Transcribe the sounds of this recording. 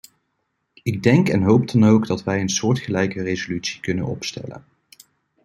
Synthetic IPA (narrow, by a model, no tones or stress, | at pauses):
ɪɡ̚dɛŋkɛnɦowp̚dɑnowɡdɑtʋɛjənsʊːɹtχəlɛjkərejzolytsi̥kɵnə̰nɔ̰pstɛ̰lə̰n